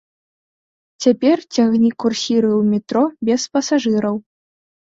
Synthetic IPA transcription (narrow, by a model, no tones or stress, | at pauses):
t͡sʲapʲɛrt͡sʲaɣnʲikursʲiɾɨwmʲɛt̪ɾɔbʲɛspɐsaʐɨɾɐw